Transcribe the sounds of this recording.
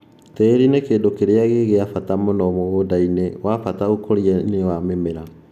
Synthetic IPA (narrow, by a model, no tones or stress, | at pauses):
tɛɾinekeːdokeɾeaɣeɣeafatamonɔmoɣoːdainewafataokoɾiɛnewamemeɾa